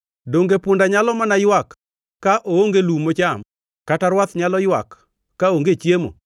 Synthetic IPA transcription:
doŋɡepʊndaɲalɔmanajwakː | aʔooŋɡelumot͡ʃam | kataɾwat̪ɲalɔjwa̰kː | aoŋɡet͡ʃjemo̰

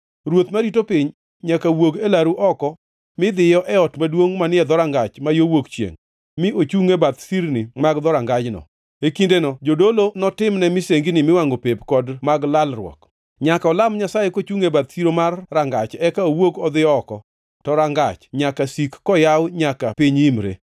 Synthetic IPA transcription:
ɾwot̪maɾitopɪɲ | ɲakawoɡelaɾuʔɔkɔ | mɪd̪ɪjɔʔɛɔtmadwoŋmanɪɛd̪ɔɾaŋɡat͡ʃmajowokt͡ʃjḛŋ | mɪot͡ʃuŋebat̪siɾnɪmaɡd̪ɔɾaŋɡad͡ʒnɔ̰ | ekindenɔd͡ʒodolonɔtɪmnɛmɪseŋɡinɪmɪwaŋɡopepkɔdmaɡlalrwɔ̰k | ɲakaɔlamɲasajekot͡ʃuŋebat̪siɾomarːaŋɡat͡ʃɛkaowoɡɔd̪ɪjɔːkɔ | tɔɾaŋɡa̰t͡ʃɲakasikːɔjawɲakapiɲimɾḛ

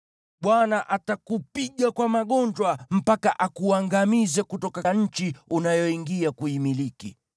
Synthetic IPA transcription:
ɓwanaʔatakupiɠakwamaɠɔnd͡ʒwam̩pakaʔakuaŋɡamizɛkutɔkaɲ̩t͡ʃiunajɔiŋɡiakuimilikḭ

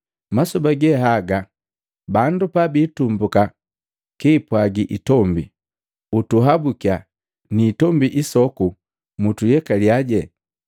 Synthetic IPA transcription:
masubaɡɛɦaɡa | bandupabiːtumbuka | kiːpwaɡiʔitɔmbḭ | utuɦabukia | niːtɔmbiʔisɔku | mutujɛkaljaɟɛ

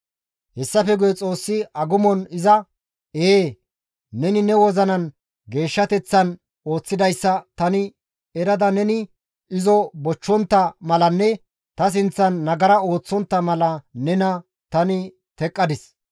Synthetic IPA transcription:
hɛsːɐfɛɡʊjɛt͡sʼo̞ːsːɪʔɐɡʊmɔnɪzɐ | eː | nɛnɪnɛwɔzɐnɐn | ɡe̞ːʃːɐt̪ɛt͡sːɐn | o̞ːt͡sːɪd̪ɐjsːɐt̪ɐnɪ | ɛɾɐd̪ɐnɛnɪ | ʔɪzɔbɔt͡ʃːɔnt̪ːɐmɐlɐnːɛ | t̪ɐs̬ɪnt͡sːɐnːɐɡɐɾɐo̞ːt͡sːɔnt̪ːɐmɐlɐnɛnɐ | t̪ɐnɪ | t̪ɛkʼːɐd̪ɪs

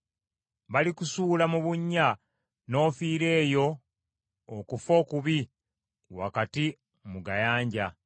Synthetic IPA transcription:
βalikusuːlamuβuɲːa | no̞ːfiːɾe̞ːjo̞ | okufo̞kuβi | wa̰kati | muɡajaːɲɟa

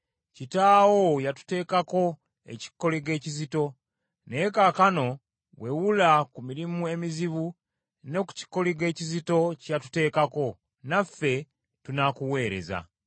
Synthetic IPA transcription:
citaːwo̞jatu̥te̞ːkako̞ | e̞̰ci̥kːo̞liɡe̞ːcizito̞ | ne̞kaːkano̞ | we̞wulakumiɾimue̞miziβu | ne̞ku̥ci̥kːo̞liɡe̞ːcizito̞catu̥te̞ːkako̞ | nafːe̞ | tunakuwe̞ːɾe̞̰za̰

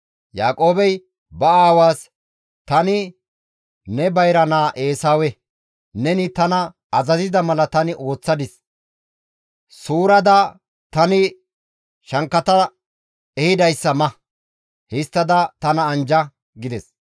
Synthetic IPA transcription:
jaːkʼo̞ːbɛj | bɐaːwaːs | t̪ɐnɪ | nɛbɐjɾɐnaːʔe̞ːsaːwɛ | nɛnɪt̪ɐnɐ | ɐzɐzɪd̪ɐmɐlɐt̪ɐnɪʔo̞ːt͡sːɐd̪ɪs | suːɾɐd̪ɐ | t̪ɐnɪ | ʃɐŋkːɐt̪ɐ | ɛhɪd̪ɐjsːɐmɐ | hɪst̪ːɐd̪ɐt̪ɐnɐːnd͡ʒɐ | ɡɪd̪ɛs

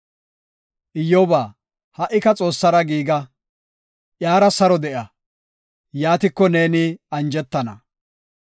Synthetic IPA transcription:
ʔɪjːɔbaː | hɐʔːɪkɐt͡sʼo̞ːsːɐɾɐɡiːɡɐ | ʔjaːɾɐsɐɾɔd̪ɛʔɐ | jaːt̪ɪkːɔne̞ːnɪɐnd͡ʒɛt̪ːɐnɐ

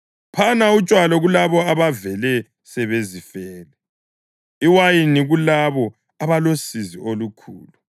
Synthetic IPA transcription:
pʰanaut͡ʃʼwalɔɣulaβɔaβavɛlɛ | sɛβezifɛːlɛ | iwajiniɣulaβɔ | aβalosiziʔolukʰṵːlu

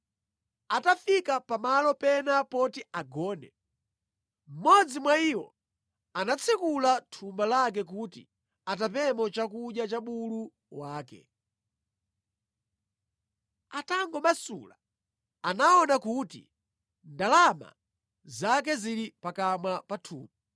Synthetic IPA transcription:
atafikapamalɔpɛnapɔtiaɡɔːnɛ̰ | m̩mɔd͡zimwaiwɔ̰ | anat͡sʰikulatʰumbalak̬ɛk̬utḭ | at̬apɛmɔt͡ʃakuɗjat͡ʃaɓulu | waːkɛ̰ | ataŋɡɔmasṵla | anaɔnakutḭ | ndalama̰ | zak̬ɛziɾipakamwapatʰṵːma

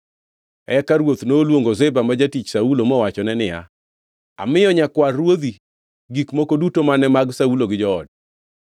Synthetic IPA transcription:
ɛkaɾwot̪noːlwoŋɡozɛbamad͡ʒatit͡ʃsaulomɔwat͡ʃɔnɛnɪja̰ | a̰mɪjɔɲakwarːwod̪i | ɡikmokodutomanɛmaɡsauloɡɪd͡ʒɔɔ̰d̚

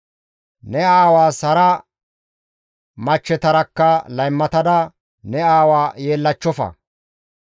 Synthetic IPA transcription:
nɛaːwaːsɐɾɐ | mɐt͡ʃːɛt̪ɐɾɐkːɐlɐjmːɐt̪ɐd̪ɐ | nɛaːwaːje̞ːlːɐt͡ʃːɔfɐ̰

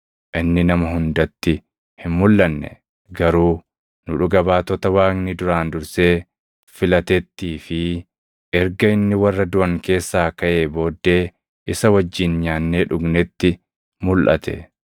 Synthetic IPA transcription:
ʔɪnːɪnɐmɐɦʊnd̪ɐt̪ːɪ | hɪnmʊlːɐnːɛ̰ | ɡɐɾuː | nʊᶑʊɡɐbaːt̪ɔt̪ɐwaːknɪd̪ʊɾaːnd̪ʊɾse̞ː | fɪlɐt̪ɛt̪ːiːfɪ | ʔɛɾɡɐɪnːɪwɐrːɐd̪ʊʔɐŋke̞ːsːaːkɐʔe̞ːbo̞ːd̪ːe̞ː | ʔɪsɐwɐd͡ʒːɪnɲaːnːeːᶑʊɡnɛt̪ːɪ | mʊlʔɐ̰t̪ʰɛ̰

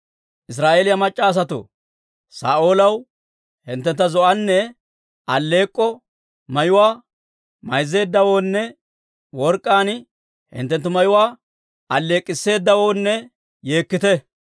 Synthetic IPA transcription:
ʔɪs̬ɾaːʔeːlɪjɐmɐt͡ʃʼːaːs̬ɐt̪ʊ̰ | sa̰ːʔo̞ːlɐw | hɪnt̪ːɛnt̪ːɐzɔʔɐnːɛ | ɐlːe̞ːkʼːɔ | mɐjʊwaː | mɐjzːe̞ːd̪ːɐwoːnːɛ | wɔɾkʼːaːn | hɪ̰nt̪ːɛnt̪ːʊmɐjʊwaː | ɐlːe̞ːkʼːɪsːe̞ːd̪ːɐwo̞ːnːɛ | je̞ːkːɪt̪ɛ

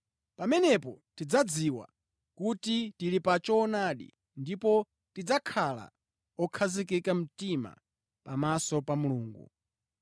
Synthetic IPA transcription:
pamɛnɛpɔtid͡zad͡ziwa̰ | kutitilipat͡ʃɔnaɗḭ | ndipɔ | tid͡zakʰala̰ | ɔkʰazik̬ikam̩tima̰ | pamasɔpamuluːŋɡṵ

